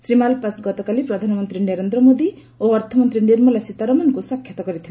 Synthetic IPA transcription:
sɾimalpasɡɔt̪ɔkalipɾɔd̪ʱanɔmɔnt̪ɾineɾend̪ɾɔmod̪i | oɔɾt̪ʰɔmɔnt̪ɾiniɾmalɔsit̪aɾɔmankusɔkʰjɔt̪ɔkɔɾit̪ʰi

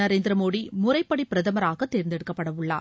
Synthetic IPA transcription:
ɐɾeːnd̪ɾɐmoːɽimʊɾɐɪpːɐɽipɪɾɐðɐmɐɾaːɣɐt̪ːeːɾɪnd̪ɛɽɯkːɐpːɐɽɐʋɯɭːa̰ː

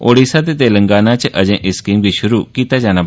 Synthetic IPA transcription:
oːɽiːsaːt̪eːt̪eːləŋɡaːnaːt͡ʃʔəd͡ʒẽːʔɪskiːmbiːʃʊɾuːkiːt̪aːd͡ʒaːnaː

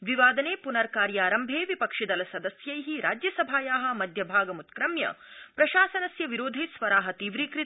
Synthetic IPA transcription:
ʋiʋaːd̪ɐneːpunɐɾkaːɾjaːɾɐmbʱeːʋipɐkʂid̪ɐlɐsɐd̪ɐsjɐjɦiɾaːd͡ʒjɐsɐbʱaːjaːɦɐ̆mɐd̪ʱjɐbʱaːɡɐmut̪kɾɐmjɐ̰pɾɐʃaːsɐnɐsjɐʋiɾoːd̪ʱisʋɐɾaːɦɐt̪iːʋɾiːkɾi

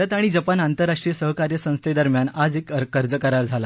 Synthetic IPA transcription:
ət̪aɽ̃id͡zəpanant̪əɾːaʂʈɾijəsəɦkaɾjəsə̃w̃st̪ʰed̪əɾmjanad͡zekkːəɾd͡zəkəɾaɾd͡zʱala

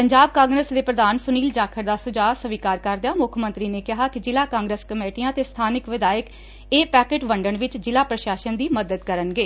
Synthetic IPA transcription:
pəɲd͡ʒaːb̚kãːŋɡɾəsd̪eːpɾəd̪aːnsʊniːld͡ʒaːkʰəɾd̪aːsʊd͡ʒaːsəʋiːkaːɾkəɾd̪ejaːmʊkʰmə̃nt̪ɾiːneːkɪɦaːkɪd͡ʒɪlaːkãːŋɡɾeːskəmeːʈijãːt̪eːst̪ʰaːnɪkʋɪd̪aːək | eːpɛːkeːʈʋəɳɖəɳʋɪt͡ʃd͡ʒɪlaːpɾəʃaːʃənd̪iːməd̪əd̪kəɾənɡeː

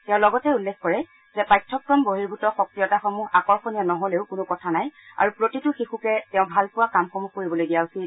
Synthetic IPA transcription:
tɛ̃ʊ̃lɔɡɔtɛulːɛkʰkɔɹɛ | zɛpajtʰːɔk̚tɔnboɦiɹbʱutɔxɔk̚tijɔtaxɔmuɦakɔɹxɔnianɔɦoleʊkʊnʊkɔtʰanaja̰ɹupɹotitʊxixukɛtɛʊ̃bʱalpʊwakamxɔmuxkoɹibɔlojdijausi

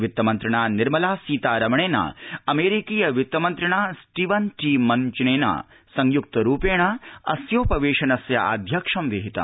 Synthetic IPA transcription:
ʋjit̪ːɐmɐnt̪ɾɐɳaːniɾmɐlaːsiːt̪aːɾɐmɐɳeːnɐ̰ɐmeːɾikiːjɐʋjut̪ːɐmɐnt̪ɾɐɳaːsʈiʋɐnʈiːmɐɲt͡ʃneːnɐ̰ | sɐŋjuk̚t̪ɐɾuːpeːɳɐɐ̰sjoːpɐʋeːʃɐnɐsjɐ̰ʔa̰ːd̪ʱjɐkʂɐmʋiɦit̪ɐ̰

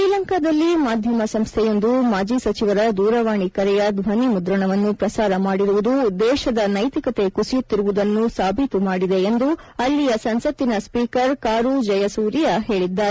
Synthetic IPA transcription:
ʃiːlɐŋkaːd̪ɐlːimaːd̪ʱjɐmɐsɐmst̪ʰɛjond̪umaːd͡ʒisɐt͡ʃiʋɐɾɐd̪uːɾɐʋaːɳikɐɾɛjɐd̪ʋɐnimud̪ɾɐɳɐʋɐnːupɾɐsaːɾɐmaːɽiɾuʋud̪ud̪ɛːʃɐd̪ɐnɐjt̪ikɐt̪e̞kusijut̪ːiɾuʋud̪ɐnːusaːbʱit̪umaːɽid̪e̞ːnd̪u | ɐlːijɐsɐnsɐt̪ːinɐspiːkɐɾkaːɾud͡ʒɐjɐsuːɾijɐɦe̞ːɭid̪ːaːɾe

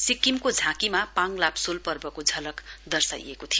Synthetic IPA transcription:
sikːimkod͡zʱãkimapaŋlapsolpʌrbʌkod͡zʱʌlʌkd̪ʌrsa̰jḛkot̪ʰijo

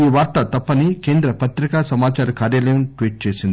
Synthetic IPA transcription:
iːʋaːɾt̪ɐt̪ɐpːɐnikeːnd̪ɾɐpɐt̪ɾikasɐmaːt͡ʃaːɾɐkaːɾjaːlɐjɐmʈʋiːʈ̚t͡ʃe̞ːsind̪i

